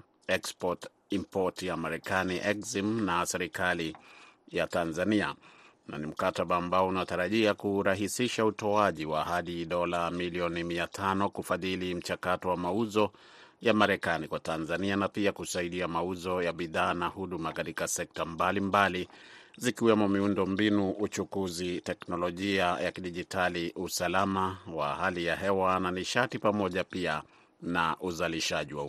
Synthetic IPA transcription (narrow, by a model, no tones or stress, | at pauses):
ɛkspɔt | impɔtjamaɾɛkaniʔɛkzimnasɛɾikalijatanzania̰ | na̰nim̩kataɓaːmbaɔunataɾaʄiakuɾaɦisiʃautɔaʄiwa̰haɗiɗɔlamiliɔnimiatʰanɔkufaðilim̩t͡ʃakatɔwamauzɔ | jamaɾɛkanikwatanzanianapiakusaiɗiamauzɔjaɓiðaːnahuɗumakatikasɛk̚tambalimbalizikiwɛmɔmiundɔmbinuʔut͡ʃukuzitɛknɔlɔʄiajakiɗiʄitʰaliusalamawa̰halijaɦɛwananiʃatipamɔʄapia | na̰ʔuzaliʃaʄiwa